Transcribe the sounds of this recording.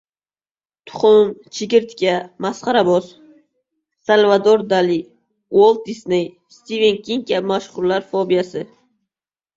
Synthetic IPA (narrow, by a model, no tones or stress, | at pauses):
t̪ʰʊ̥χʊmt͡ʃʰɪɡʲɪɾt̪kʲamasqɑɾaboz | salvad̪oɾd̪ali | wolˠt̪̚d̪isnej | st̪ivenkʲiŋkʲamaʃχʊɾlaɾfobijasɪ